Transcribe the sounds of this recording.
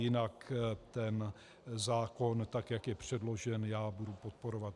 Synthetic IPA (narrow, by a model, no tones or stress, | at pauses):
jɪnakt̪ɛn | zaːko̞nt̪akjakjɛpr̝̥ɛdlo̞ʒɛnjaːbudupo̞t̪̚po̞ɾovat̪